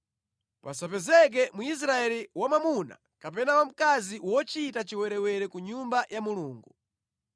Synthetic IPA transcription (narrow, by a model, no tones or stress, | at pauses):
pasapɛzɛk̬ɛmuis̬ɾaɛliwamamuna̰ | kapɛnawam̩kaziwɔt͡ʃitat͡ʃiwɛɾɛwɛɾɛkuɲumbajʔamuluːŋɡu